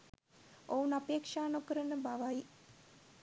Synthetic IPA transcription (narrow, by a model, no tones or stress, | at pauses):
ounapeːkʂaːnukəɾənəbaʋaji